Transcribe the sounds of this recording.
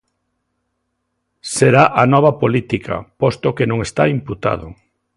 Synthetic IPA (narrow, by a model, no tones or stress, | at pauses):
seɾaʔanɔβ̞ɐpolit̪ikʰa̰pɔst̪okenõŋest̪aimput̪a̰ðʊ̰